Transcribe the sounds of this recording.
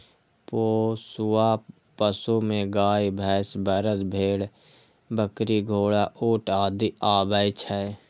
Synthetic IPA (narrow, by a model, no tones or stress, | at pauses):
poːsuwa | pəsumẽɡaːjbʱɛːsbəɾət̪bʱeːɽ | bəkɾiɡʱoːɽaʔoːʈaːd̪iaːbəjt͡ʃʰə